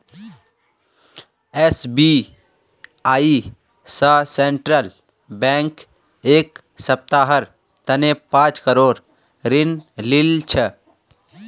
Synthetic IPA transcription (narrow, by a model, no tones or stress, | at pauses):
esbi | aːi | səsẽɳʈɾəl | bɛ̃ːŋk | eːk | səp̚t̪aɦəɾ | t̪ənepãːt͡ʃkəɾoːɾ | ɾɪnlɪlt͡ʃʰə